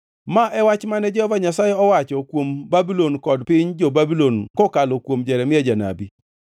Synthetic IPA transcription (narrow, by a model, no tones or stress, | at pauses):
maʔɛwat͡ʃmanɛd͡ʒɔhɔvaɲasajɛɔwat͡ʃɔkwombabilonkɔdpɪɲd͡ʒɔbabilonkɔkalɔkwomd͡ʒɛɾɛmɪɛd͡ʒana̰bi